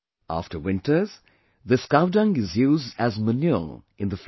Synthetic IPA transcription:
a̰ftəwɪ̃ntəz̥ | ðəskaʊdʌ̃ŋɡɪzjuːzdæzmənjɔ | ɪ̃nd̪əf

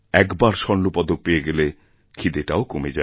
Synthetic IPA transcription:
ɛkbaɾʃɔnnːupɔd̪ok̚peeɡele | kʰid̪eʈaokomed͡ʑa

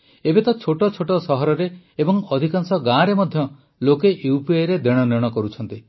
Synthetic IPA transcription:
ebet̪ɔt͡ʃʰoʈɔt͡ʃʰoʈɔsɔɦɔɾɔɾeːbɔŋɔd̪ʱikaŋsɔɡãɾemɔd̪ʱjɔ | lokeʔiupiaɾed̪eɽ̃ɔniɔɽ̃ɔkɔɾut͡ʃʰɔnt̪i

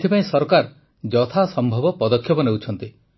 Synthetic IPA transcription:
t̪ʰipaĩsɔɾkaɾ | d͡ʒɔt̪ʰasɔmbʱɔbɔpɔd̪ɔkʰjɔpɔnewt͡ʃʰɔnt̪i

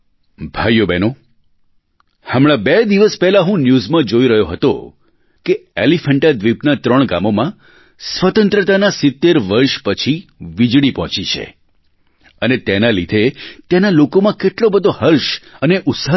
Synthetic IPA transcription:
bʱajːobɛno | həmɭ̃ãbed̪iʋəspɛɦlaɦũnjuzmãd͡ʒoiɾəɦjoɦət̪o̰ | keelifʰəɳʈad̪ʋipnat̪ɾəɳ̃ɡa̰momã | sʋət̪ə̃nt̪ɾət̪anasɪt̪ːeɾʋəɾʃpət͡ʃʰiʋid͡ʒɽipɦɔ̃t͡ʃit͡ʃʰḛ | ənet̪enalid̪ʱet̪enalokomãkeʈlobəd̪ʱohəɾʃəneʔʊt̪sa

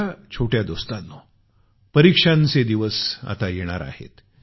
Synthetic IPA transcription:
at͡ɕʰoʈjad̪ost̪anːɔ | pəɾikʂant͡sed̪iʋəsa̰t̪ajeɽ̃a̰ɾa̰hḛt̪

